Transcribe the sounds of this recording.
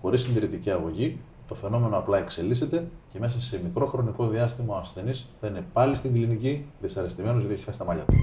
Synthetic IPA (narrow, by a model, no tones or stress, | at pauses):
xo̞ɾisind̪iɾit̪iciɐɣo̞ʝi | t̪o̞fe̞no̞me̞noɐplɐe̞kse̞lise̞t̪e̞ce̞me̞s̬ɐse̞mikɾo̞xɾo̞niko̞ðiɐst̪imɐoɐsθe̞nisθɐine̞pɐlist̪iŋɡliniciðisɐɾist̪ime̞nozʝt̪ieçixɐsi̥t̪ɐmɐʎɐt̪u̥